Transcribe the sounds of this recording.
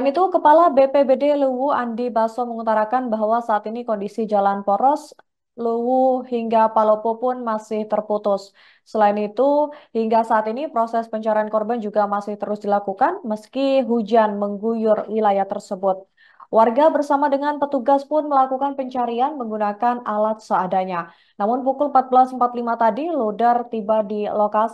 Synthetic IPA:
nit̪ukəpalabepebedeluwuandibasɔməŋut̪aɾakanbaɦwasaːt̪inikɔndisid͡ʒalanpoɾɔs | luwuhiŋɡapalopopʊnmasɪht̪ərput̪ʊsː | əlaɪnit̪uhiŋɡasaːt̪inipɾosɛspəɲt͡ʃaɾiankɔrband͡ʒuɡamasɪht̪əɾʊsdilakukanməskiɦud͡ʒanməŋɡujʊrwilajaht̪ərsəbʊt̪̚ | warɡabərsamadəŋanpət̪uɡaspʊnməlakukanpəɲt͡ʃaɾianməŋɡunakanalat̪̚səadaɲa | namʊnpukʊləm̩pat̪̚bəlasəmpat̪limat̪adiludart̪ibadiloka

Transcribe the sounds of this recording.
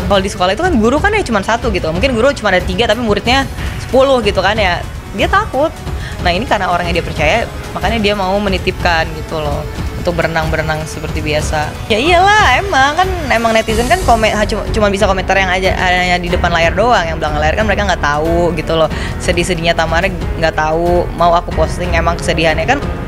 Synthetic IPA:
kaldisə̥kolaɦit̪ukanɡuɾukanjat͡ʃumansat̪uɡit̪ukmuŋkɪnɡuɾut͡ʃumandaɾt̪iɡat̪apimuɾɪt̪̚ɲasə̥pulʊhɡit̪ukanja | diat̪akʊt̪̚ | nahinikaɾənaoɾaŋjaŋdiapərt͡ʃaja | makaɲadiamaumənit̪ɪp̚kanɡit̪ulɔhunt̪ʊk̚bəɾənaŋbəɾənaŋsəpərt̪ibiasa | jaijalahemaŋkanemaŋnɛt̪izənkankomeɦat͡ʃut͡ʃumanbis̬akoment̪arjaŋad͡ʒaʔa̰ɲadidəpanlaɪrdoaŋjaŋbəlaŋəlaɪrkanməɾekaŋɡaʔt̪auɡit̪ulɔh | sədihsədiɲat̪amaɾɛ | ŋɡaʔt̪aumauakupost̪ɪŋemaŋkə̥sədiɦanɲakan

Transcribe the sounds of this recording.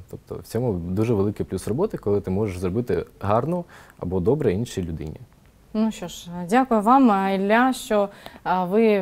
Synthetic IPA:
t̪ɔp̚t̪ɔ̰wt͡sʲɔmʊd̪uʒɛʋelˠɪkɪjplʲusrɔbɔt̪ɪkɔlˠɪt̪ɪmɔʒeʃzrɔbɪt̪ɪɦɑrnɔɐ̰bɔd̪ɔbɾɛinʃilʲʊd̪ɪ̰nʲḭ | nuʃt͡ʃɔʃdʲakʊjʊʋɑmilʲːaʃt͡ʃɔʋɪ

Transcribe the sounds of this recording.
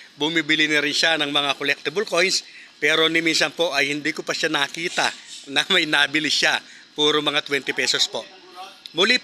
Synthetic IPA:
bʊmibɪlɪnɐɾɪnʃanɐŋmɐŋakolɛk̚t̪ɪbɐlko̞jnspɛːɾo̞nɪminsɐnpo̞ʔɐjhɪnd̪iːkopɐʃanɐkiːt̪ɐ̰nɐmɐjnɐbɪlɪʃa | puːɾomɐŋat̪wɛnt̪ɪpɛsospo̞ʔ | mʊlip

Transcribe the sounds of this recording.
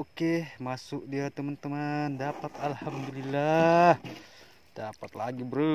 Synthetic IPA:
okemasʊk̚diat̪əmant̪əmandapat̪alhamd̪ulilːah | d̥apat̪̚laɡibəɾə

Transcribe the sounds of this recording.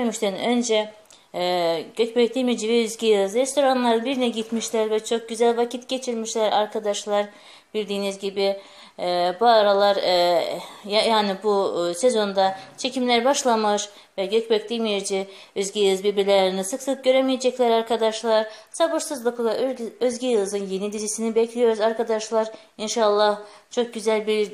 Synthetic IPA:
myʃt̪ɛnønd͡ʒɛ | ɟøcbɛcd̪imid͡ʒivɛyzɟijˠɯzɾest̪ʰo̞ɾanlˠaɾɯnbiɾnɛɟit̪miʃlʲæɾvɛt͡ʃʰo̞k̚ɟyzælʲvacʰit̪ɟe̞t͡ʃʰiɾmiʃlʲæɾa̰ɾkʰad̪aʃlˠaɾ | bilʲd̪iːnizɟibi | buaɾalˠaɾ | jajaːnibusezo̞nd̪at͡ʃʰe̞cʰimlʲæɾbaʃlˠamɯɾ | vɛɟøcbɛc̚d̪imijɾd͡ʒɛ | øzɡijɯɯzbiɾbiɾlʲæɾinisɯksɯk̚ɟø̞ɾemijed͡ʒɛclʲæɾaɾkʰad̪aʃlˠaɾ̥sabuɾsɯzlˠɯpʰɯlˠaøzɟijɯlˠzɯnje̞nid̪iɾisinibɛcʰlʲijo̞ɾuzaɾkʰad̪aʃlˠaɾ | inʃaːlˠːaht͡ʃʰo̞k̚ɟyzælʲbiɾ

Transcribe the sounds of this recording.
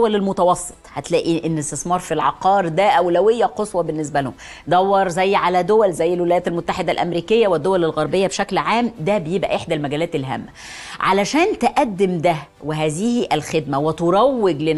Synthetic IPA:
wælelmot̪ɑwɑsˤːe̥t̪ˤhæt̪læːʔiʔenːest̪esmɑːɾˤfilʕɑ̰qɑːɾd̪æʔæwlæwejːæqosˤwɑbenːes̬bælhom | d̪æwːɑɾˤzæjːʕalæd̪owælzæjːælwelæjæːt̪ælmot̪ːaħed̪ælʔæ̰mɾiːkejːæwed̪ːowælælɣɑɾˤbejːæbʃæklʕaːmd̪æbejebʔæ̰ʔeħd̪ælmæɡæːlæːt̪elɦæ̰ːmːæ | ʕa̰læʃæːnt̪eʔæd̪ːemd̪æ | weɦæːzihiʔælxed̪mæwet̪oɾˤɑwːeɡlen

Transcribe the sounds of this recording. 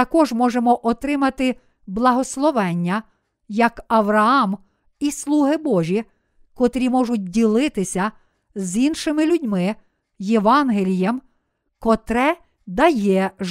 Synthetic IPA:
ɐkɔʒmɔʒemɔʔɔt̪ɾɪmɐt̪ɪ | blˠɐɦɔslˠɔʋɛnʲːɐ | jɐkɐʋɾɐɑm | islˠuɦɪbɔʒʲi | kɔt̪ɾʲimɔʒʊt̚ʲdʲilˠɪt̪ɪsʲɐ | zinʃɪmɪlʲudʲmɪ | jeʋɑnɦelʲijem | kɔt̪ɾɛ | d̪ɐjɛ

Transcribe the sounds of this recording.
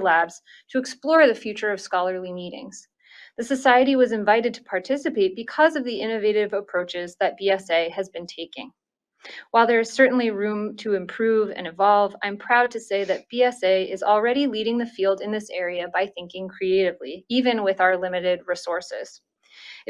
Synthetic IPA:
læbz̥ | tʰɨːksplɔɹðɨfjʉt͡ʃə˞ʌv̥skɑlˠə˞limiɾɪ̰̃ŋz̥ | ðɨsɨsaɪɨɾiwʌzɨ̃ɱvaɪɾɨd̚tʰə̥pʰɑɹtʰɪsɨpeɪt̚b̥ɨkʰʌzʌvðiɪ̃nɨveɪɾɪvəpʰɹ̥oʊt͡ʃɪzðɨt̚b̥iɛseɪɨzbɨ̃ntʰeɪkɪ̰̃ŋ | waɪlˠðə˞ɨz̥sɜ˞ʔn̩liɹʉ̃mtʰɨɨ̃mpʰɹ̥ʉvɨ̰̃nɨ̃vɑlˠvã̰ɪ̃mpʰɹ̥aʊd̚tʰɨseɪðɨt̚b̥iɛseɪʔɪzl̩ˠɹɛɾiliɾɪ̃ŋðɨfilˠdɨ̃nðɪsɛɹiɨbaɪθɪ̃ŋkɪ̃ŋkʰɹ̥ieɪɾɨvliivɨ̃nwɪðaʊə˞lɪ̃mɨɾɪd̚ɹisɔɹsɪ̰z̥

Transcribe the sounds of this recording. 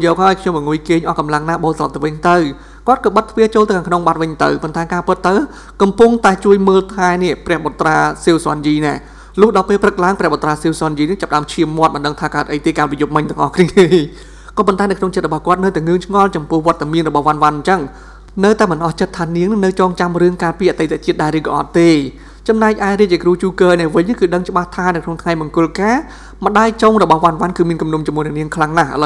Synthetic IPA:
jɔːk̚haəjkʰɲomɓɑŋuəjkeːɲʔɑːkɑmlaŋnaːɓoːlslɑ̰p̚t̪ɨʋɨɲt̪ɨw | kŏət̪̚kɑːɓət̪ʰːʋiət͡ɕoːlt̪ɨwkaːkʰnoŋɓat̪̚ʋɨɲt̪ɨ̰wpont̪aɛkaːpɨt̪ːɨw | kɑmpuŋt̪aɛt͡ɕuəjməːlt̪ʰaɛniəʔprɛ̆əhɓot̪ːraːsiːwsŏnjiːnaɛ | lʊ̆əhɗɑlpeːlprɨk̚laəŋprɛhɓot̪ːraːsiːwsŏənjiːnɨht͡ɕap̚ɗaəmt͡ɕʰiəmːŏət̪̚ɓɑnɗəŋt̪ʰaːkaət̪̚ʔəjt̪iːəkanpijup̚mɨɲt̪ɨ̆əŋʔɑ̰hkʰniəij | kɑːpont̪aɛnəwkʰnoŋt͡ɕət̪̚rɔɓɑhkŏət̪̚nɨwt̪aɛŋɨəŋt͡ɕʰŋɑlt͡ɕɑmpʊ̆əhʋŏət̪ːamiənrɔɓɑhʋanʋanɲt͡ɕəŋ | nɨwt̪aɛmɨnʔɑht͡ɕət̪ʰːaːniəŋnɨŋnɨwt͡ɕɔːŋt͡ɕamrɨəŋkaːpiːʔat̪əjt̪aʔt͡ɕiət̪̚ɗaɛlɾɨːkɑʔɑ̰t̪ːeː | t͡ɕɑmnaɛk̚ʔaɛriəc̚t͡ɕɛkruːt͡ɕuːkəːnɛəʔʋɨɲːɨŋkɨːɗəŋt͡ɕə̆ɓaht̪ʰaːnəwkʰnoŋt̪ʰŋajmɑŋkʊ̆əlkaː | mə̆ɗaːjt͡ɕoːŋrɔɓɑhʋanʋankɨːmiənkumnumt͡ɕumuənɛəʔniəŋkʰlaŋnahʔa̰lə

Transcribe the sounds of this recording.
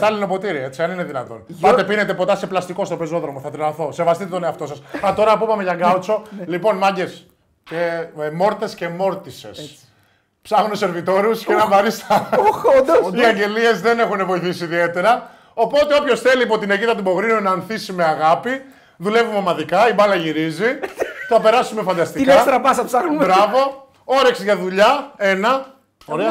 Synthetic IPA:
t̪ɐlino̞po̞t̪iɾiɐe̞t͡siɐnineðinɐt̪o̞nɐt̪e̞pinet̪e̞po̞t̪ɐse̞plɐst̪iko̞st̪o̞pezo̞ðɾo̞moθɐt̪ɾilɐθo̞se̞vɐst̪it̪et̪o̞ne̞ɐft̪o̞sɐsɐt̪o̞ɾɐpupɐmeʝɐŋɡɐut͡so̞lipo̞nmɐɲɟe̞s | cemo̞ɾt̪e̞sce̞mo̞ɾt̪ise̞̰s | psɐxonese̞ɾvit̪o̞ɾusceenɐvɐɾist̪ɐ | iɐɲɟe̞lie̞zðe̞ne̞xune̞vo̞jθisiːðie̞t̪e̞ɾɐ | o̞po̞t̪e̞o̞pço̞sθe̞liːpo̞t̪ineʝiðɐt̪ubo̞ɣɾinunɐːnθisimeɐɣɐpi | ðule̞vumemɐðikɐibɐlɐʝiɾiziθɐpe̞ɾɐsume̞fɐnd̪ɐst̪ikeɐt̪eɾɐpɐsɐpsɐxnumbɾɐvo̞ | o̞ɾeksʝɐðuʎɐe̞nɐ | oɾeɐ

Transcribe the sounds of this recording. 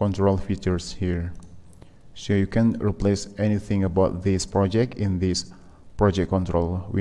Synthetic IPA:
kɔ̃ntɹolfit͡ʃəɹshiəɹ | sojukʰɛ̃nɹiplesɛniθɪ̃ŋəbaʊt̚ðispɹɔd͡ʒɛk̚tĩnðis | pɹɔd͡ʒɛk̚kːɔ̃ntɹolwi

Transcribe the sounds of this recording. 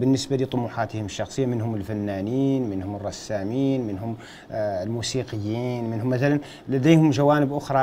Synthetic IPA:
bənːəsbalit̪ˤʊmuħat̪hʊməʃːɑxsˤəjːamənhʊməlfænːæniːnmənhʊmərˤːɑsːæmiːnmənɦʊm | lmusiqəjːiːnmɪnhʊmːæθælæn | læd̪ejhʊmʒæwænəbʔʊxɾˤɑ

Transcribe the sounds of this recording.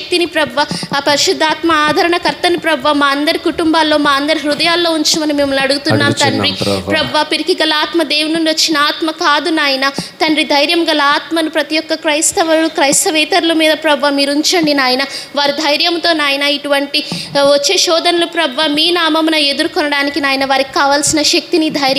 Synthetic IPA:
k̚t̪inipɾɐbʋɐpɐɾiʃud̪ʱːaːt̪mɐaːd̪ʱɐɾɐɳɐkɐɾt̪ɐnipɾɐbʋamaːɐnd̪ɐɾikuʈumbaːlːo̞ːmaːɐnd̪ɐɾiɦɾud̪ɐjaːlːo̞ːuɲt͡ʃɐmɐnime̞ːmulnɐɽuɡut̪unːaːmt̪ɐnɾipɾɐbʱʋaːpiɾikiɡɐlɐaːt̪mɐd̪eːʋunuɳɖiʋot͡ʃːinɐaːt̪mɐkaːd̪unaːjɐnɐt̪ɐnɾid̪ʱɐjɾjɐmɡɐlɐaːt̪mɐnupɾɐt̪ijɔkːɐkɾɐjst̪ɐʋɐlukɾɐjsɐʋɛːt̪ɐɾulɐmiːd̪ɐpɾɐbʱʋaːmiːɾuɲt͡ʃɐɳɖinaːjɐnɐʋaːɾid̪ʱɐjɾjɐmt̪o̞ːnaːjɐnɐiʈuʋɐɳʈiʋot͡ʃːeːʃɔːd̪ɐnɐlupɾɐbʱʋaːmiːnaːmɐmunɐe̞d̪uɾukɔnɐɽaːnikinaːjɐnɐʋaːɾiki̥kaːʋaːlsinɐʃɐk̚t̪inid̪ʱɐjɾjɐ

